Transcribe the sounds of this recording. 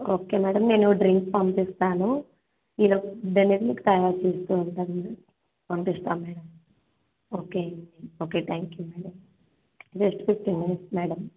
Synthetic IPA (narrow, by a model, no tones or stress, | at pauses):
oːke̞ːmɛːɽɐmne̞ːnuɖɾiŋkpɐmpist̪aːnu | iːloɖeniɡliki̥t̪ɐjaːɾt͡ʃeːst̪uːɳʈɐn | pɐmpist̪aːmːɛːɽɐm | oːkeːioːke̞ːt̪ʰaːŋkjuːmɛːɽɐm | d͡ʒesʈpifʈiːnminiʈsmɛːɽɐm